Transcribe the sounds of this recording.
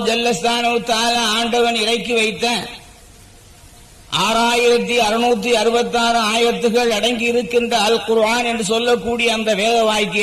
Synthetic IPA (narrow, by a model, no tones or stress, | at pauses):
d͡ʒɐlːɐst̪ʰaːnɐʋɯt̪aːlɐaːɳɖɐʋɐnɪrɐɪkːɯʋɐɪt̪ːaː | ʔaːɾaːjɪɾɐt̪ːiɐɾɯnuːt̪̬ːiɐɾɯbɐt̪ːaːɾɯaːjɪɾɐt̪ːɯɣɐɭɐɽɐɪŋɡɪɪɾɯkːɪndrɐːlqʊɾaːnɛndrɯsɔlːɐkːuːɽɪjɐːnd̪ɐʋeːðɐʋaːjkːɐ